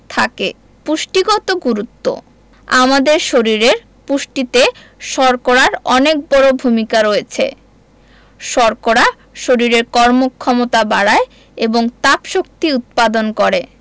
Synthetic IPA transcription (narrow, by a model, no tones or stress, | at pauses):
t̪ʰake | puʃʈiɡɔt̪oɡuɾut̪ːo̰ | a̰mad̪eɾʃoɾiɾeɾ | puʃʈit̪e | ʃɔɾkoɾaɾɔnek̚bɔɾobʱumikaɾojet͡ɕʰḛ | ʃɔɾkoɾa | ʃoɾiɾeɾkɔɾmokʰːɔmot̪abaɽae | eboŋt̪apʃok̚t̪iut̪̚pad̪onkɔɾe